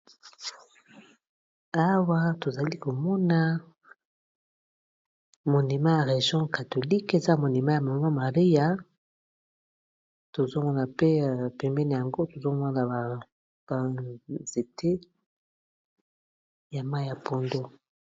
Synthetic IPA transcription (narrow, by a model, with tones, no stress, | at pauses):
a˦wa˦to˨za˨li˦ko˨mɔ˦na˦ | mo˨ni˨ma˦ja˨ʁe˨ʒjɔ̃˦ka˨to˨li˦ke˨za˦mo˨ni˨ma˦ja˨ma˨˦a˦ma˨ʁi˦ja˨ | to˨zo˦mɔ˦na˨pe˦˨pɛ˨mbɛ˦ne˨ja˨ŋɡo˦to˨zo˦ma˦na˨a˨ | ba˨ze˨tʰe˦ | ja˨ma˦jja˨po˨ndo˦